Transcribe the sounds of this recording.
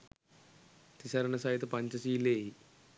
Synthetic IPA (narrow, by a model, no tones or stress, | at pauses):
t̪isɐɾɐnɐsɐjit̪ɐpɐɲt͡ʃɐsiːleːi